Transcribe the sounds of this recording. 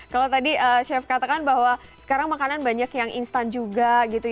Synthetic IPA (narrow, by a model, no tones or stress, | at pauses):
kalat̪adiʔəʃɛfkat̪akanbaɦwa | sə̥kaɾaŋmakananbaɲakjaŋḭnst̪and͡ʒuɡaɡit̪u